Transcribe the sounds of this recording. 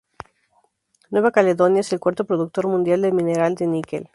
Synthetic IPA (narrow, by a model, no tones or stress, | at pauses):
nweβakaleðonjaeselkwaɾt̪opɾoðuk̚t̪oɾmũnd̪jald̪elmineɾald̪enikḛl